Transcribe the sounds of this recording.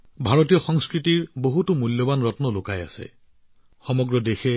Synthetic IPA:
bʱaɹotijɔxɔŋskɹitiɹboɦutumuljɔbanɹɔtnɔlokaja̰sɛ̰ | xɔmɔɡɹɔdexɛ

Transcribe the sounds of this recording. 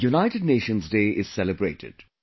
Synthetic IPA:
junaɪʈɪɖneːʃə̃nzdeːʔɪz̥sɛləbɾeːʈʰɪ̰d̥

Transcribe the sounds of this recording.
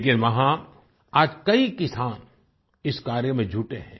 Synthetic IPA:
ek̬ɪnʋɐɦã | aːd͡ʒkɐikɪsaːn | ɪskaːɾjəmẽd͡ʒʱuːʈeɦɛ̰̃ː

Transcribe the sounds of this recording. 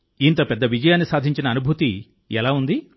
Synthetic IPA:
int̪opɛd̪ːɐʋid͡ʒɐjaːnːisaːd̪ʱiɲt͡ʃinɐːnubʱut̪i | ɛlaːund̪i

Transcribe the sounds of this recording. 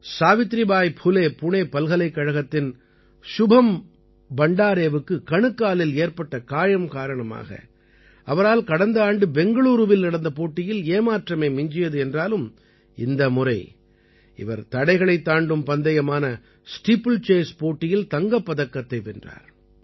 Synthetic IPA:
saːʋɪt̪ːɾɪbaːjpʰʊleːpʊɳeːpɐlɣɐlɐɪkːɐɻɐɣɐt̪ːɪn | ʃʊbʱɐm | bɐɳɖaːɾeːʋɯkːɯkɐɳɯkːaːlɪleːɾpɐʈːɐkaːjɐmkaːɾɐɳɐma̰ːɣɐ̰ | ɐʋɐɾaːlkɐɽɐnd̪ɐaːɳɖɯbɛŋɡɐɭuːɾɯʋɪlnɐɽɐnd̪ɐp̬oːʈːɪjɪleːmaːʈrɐmeːmɪɲd͡ʒɪjɐðɯɛndraːlɯm | ɪnd̪ɐmʊrɐɪ | ɪ̰ʋɐ̰ɾt̪ɐɽɐɪɣɐɭɐɪt̪ːaːɳɖɯmpɐnd̪ɐjɐmaːnɐ | sʈipːɯlt͡ʃeːspoːʈːɪjɪlt̪ɐŋɡɐpːɐðɐkːɐt̪ːɐɪʋɛndra̰ːɾ

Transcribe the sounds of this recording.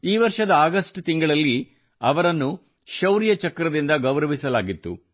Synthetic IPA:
iːʋɐɾʂɐd̪ɐaːɡɐsʈt̪iŋɡɐɭɐlːi | ɐʋɐɾɐnːu | ʃɐwɾjɐt͡ʃɐkɾɐd̪ind̪ɐɡɐʋɾɐʋisɐlaːɡit̪ːṵ

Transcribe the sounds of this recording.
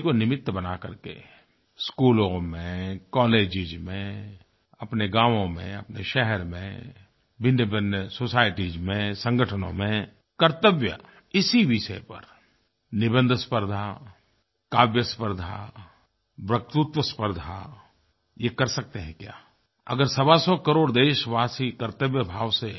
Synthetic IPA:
konɪmɪt̪ːbɐnakə̰ɾkḛ | skuːlõmẽkɔːleːd͡ʒɪd͡ʒmẽ | ɐpneɡãːʋõmḛ̃ɐpneʃɛɦɛɾmḛ̃ | bɪnjəbənjəsoːsaːɪʈid͡ʒmẽsə̃ŋɡəʈʰənõ̰mẽ | kəɾt̪əʋjə̰ | ɪsiʋɪʃəepə̰ɾ | nɪbə̃nd̪ʱspəɾd̪ʱa | kaːʋjəspəɾd̪ʱa̰ | bɾək̚t̪ʊt̪wəspəɾd̪ʱa̰ | jekɐɾsɐk̚t̪eɦɛ̃kja̰ː | ɐ̰ɡəɾsɐbasɔkəɾoːɽd̪eːʃʋaːsikəɾt̪əʋjəbʱaːʋse

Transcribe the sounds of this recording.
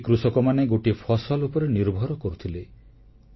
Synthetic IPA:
kɾusɔkɔmaneɡoʈipʰɔsɔlupɔɾeniɾbʱɔɾɔkɔɾut̪ʰile

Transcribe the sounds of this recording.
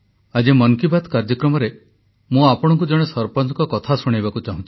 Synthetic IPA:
ad͡ʒemɔŋkibad̪kaɾd͡ʒɔkɾɔmɔɾe | mũapɔɽ̃ɔŋk̬ud͡ʒɔɽ̃esɔɾpɔnɔkɔkɔt̪ʰasuɽ̃ajbakut͡ʃaɦũt͡ʃ̪ʰi̥

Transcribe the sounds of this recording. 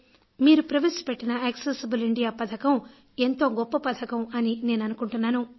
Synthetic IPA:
miːɾupɾɐʋeːsu̥peʈːinɐɐksesibuliɳɖijaːpɐd̪ʰɐkɐm | e̞nt̪o̞ːɡɔpːɐpɐt̪ʰɐkɐmɐnine̞ːnɐnukuɳʈunːaːnu

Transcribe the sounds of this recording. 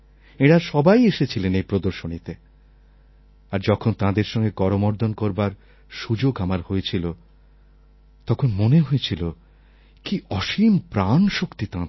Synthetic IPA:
eɽaʃɔbajeʃet͡ɕʰilenejpɾod̪oɾʃonit̪e | aɾd͡ʑɔkʰont̪ãd̪eɾʃɔŋɡekɔɾomɔɾd̪ʱonkoɾbaɾ | ʃud͡ʑoɡamaɾhojet͡ɕʰilo | t̪ɔkʰonmoneɦojet͡ɕʰilo | kiʔɔʃimpɾanʃokt̪it̪ã

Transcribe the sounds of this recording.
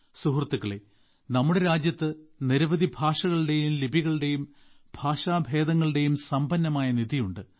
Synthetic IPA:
suɦrt̪ːuɣɐɭe | nɐmːuɽeɾaːd͡ʑjɐt̪ːɨniɾɐʋɐd̪ibʱaːʂɐɣɐɭɨɽe̞jumlibʱiɣɐɭɨɽe̞jum | bʱaːʂaːbʱe̞ːd̪ɐŋːɐɭɨɽe̞jumsɐmbɐnːɐmaːjɐniðijuɳɖɨ

